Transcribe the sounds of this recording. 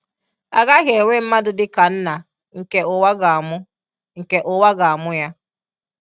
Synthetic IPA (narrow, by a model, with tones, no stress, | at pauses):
a̰˨ɣa˦ɣe˨e˨wʷe˦m̩˦ma˦dʊ˦dɪ˦ka˨n̩˦na˨ | ŋ̩˨ke˨ʊ˨wa˦ɡa˨a˨mʊ˦ | ŋ̩˨ke˨ʔʊ˨wa˦ɡa˨a˨mʊ˦ja˦